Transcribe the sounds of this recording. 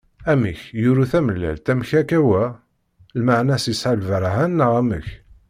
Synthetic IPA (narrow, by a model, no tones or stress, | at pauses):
æmiçjuɾuθæməlːæ̰lt̪æmçækæwæ | lmaʕnæsisħalvəɾˤɦænːəʁæməç